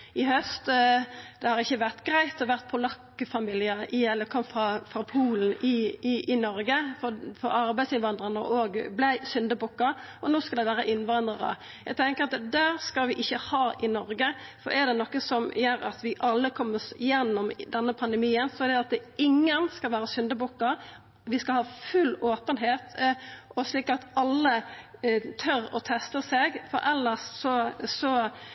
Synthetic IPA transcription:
ɪhœst̪d̪̥ɛhɑɾɪçːəʋæʁt̪ɡɾæɪt̪ɔʋæɾt̪̚pʰɔlɑkːəfɑmɪːlɪəʔɪɛlːəɾkʰɔmfʁɑfɾɑpʰuːln̩ɪɪʔɪnɔɾɡəfɔfɔɾɑɾbæɪd̪sɪnʋɑnd̪ɾənəʔoːɡblæɪsʏnd̪əbʊkːɑʔɔnoːskɑld̪ɛʋæːɾəʔɪnʋɑnd̪ɾəɾə̰ | jæɪt̪ʰɛŋkəɾɑt̪d̪æɾskɑlʋɪʔɪçːəhɑːʔɪnɔɾɡəfɔ̰ɾɛd̪ɛnɔkːəsɔmjøːɾɑ̰t̪ʋɪʔɑlːəkʰɔmːəsjɛnːɔmd̪ɛnːəpʰɑnd̪ɛmiːənsɔd̪ɛɑt̪ɪŋːənskɑlʋæːɾəsʏnd̪əbʊkːɑ | ʋɪskɑlhɑːfʉlːoːpənɦeːt̪ɔsliːkɑt̪ɑlːə | t̪ʰœɾɔ̰t̪ʰɛst̪əseɡfɔ̰ɾɛlːəsːɔsɔ

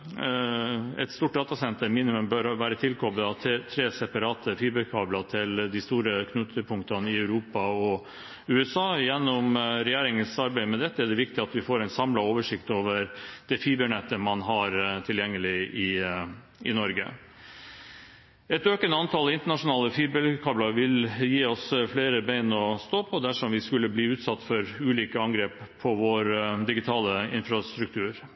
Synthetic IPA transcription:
ɛ̰t̪st̪uːʈ̚ɖ̪ɑːt̪ɑsɛnt̪əɾmiːnɪmʉmbœɾʋæːɾət̪ʰɪlkʰɔbləɑt̪ʰːt̪ʰɾeːsɛpɑɾɑːt̪əfiːbəɾkʰɑːblɑt̪ʰɪld̪ɪst̪uːɾəkʰnʉt̪ʰəpʰʊŋkt̪ɑnɪæʉɾuːpɑɔ | ʉːɛsɑːjɛnːɔmɾɛjæːɾɪŋənsɑɾbæɪəmɛd̪ɛt̪ːəæɖɛʋɪk̚t̪ɪɑt̪ʋɪfoːɾæɛɪnsɑmlɑoːʋəʂɪkt̪oːʋəɾd̪̥ɛfiːbəɳɛt̪ːəmɑnɦɑɾt̪ʰɪljɛŋːəlɪɪ | ʔɪ̰nɔɾɡə̰ | ɛt̪øːkənəɑnt̪ʰɑlɪnt̪əɳɑʂʊnɑːləfiːbəkʰɑːblɑɾʋɪljiːɔsfleːɾəbæɪnɔst̪oːpʰɔd̪æʂɔmʋɪskʉlːəbliːʉːt̪sɑt̪ːfɔɾʉːliːkəɑŋɡɾeːppʰːɔʋɔɾd̪ɪɡɪt̪ʰɑːləɪnfɾɑst̪ɾʉk̚t̪ʰʉːɾ

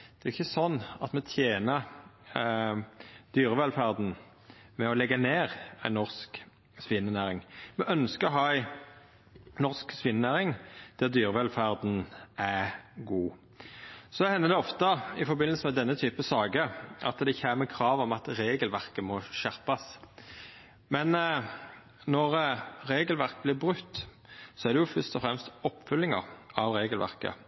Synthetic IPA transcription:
d̪̥ɛʁʊɪçːəsɔnːɑt̪mɛt̪ʰjeːnə | d̪̥yːʁəʋɛlfæʁd̪n̩ | mɛɔlɛɡːɑneːɾæɪnːɔʁsk | sʋɪnːənæːɾɪŋmɛʔœnskəɾɔɦɑːæɪ | nɔʁsksʋɪnːənæːʁɪŋd̪̥æʁd̪yːʁəʋɛlfæʁd̪n̩æɡuː | sɔɛhɛnːəd̪ɛɔft̪əɪfɔbɪnləlsəmɛd̪ɛnːət̪ʰyːpəsɑːɡəʔɑt̪d̪ɛçhæːməkʰɾɑːʋɔmɑt̪ɾeːɡəlʋæʁkəmɔʃæʁpɑs | mɛn | nɔʁɾeːɡəlʋæʁk̚blɪːʁbʁʉt̪ː | sɔæʁd̪ɛjʊfœʁst̪ɔfɾɛmst̪ɔpːfʉlːɪŋə̰ɾɑʋʁeːɡəlʋæ̰ʁkə̰

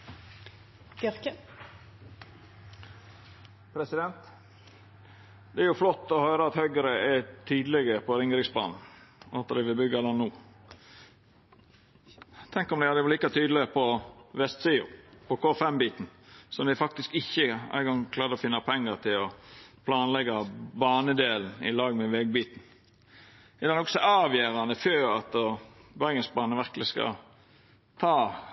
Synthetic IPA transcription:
ɪɾkə | pʰɾɛsɪd̪ɛnt̪ | d̪̥ɛæɾjʊflɔt̪ːɔhøːɾəɑt̪hœʏɡəɾəɛt̪ʰyːd̪lɛɡəpʰɔɾɪŋɾɪŋsbɑ̰ːnn̩ɑt̪ːəɾd̪ɪʋɪlbʏɡːɑlɑnːuː | t̪ʰɛŋkɔmd̪æɪhɑd̪əʋliːkɑt̪ʰyːd̪l̩ɪpʰɔʋɛst̪siːʊ̰pʰɔkʰoːfɛmbiːt̪n̩sɔmd̪ɪæfɑk̚t̪ɪskɪçːəæ̰ɪɡɔŋkʰlɑːɾd̪əɔfɪnːɑpʰɛŋːəʁt̪ʰɪlɔpʰlɑːnlɛɡɑbɑːnəd̪eːln̩ɪ̰lɑːɡmɛʋɛɡ̚biːt̪n̩ | ɛd̪ɛnɔksɔɑːʋjeːɾɑnəføːɾɑt̪bæɾɡənsbɑːnəʋæɾkəlɪskɑ̰ | t̪ʰɑː

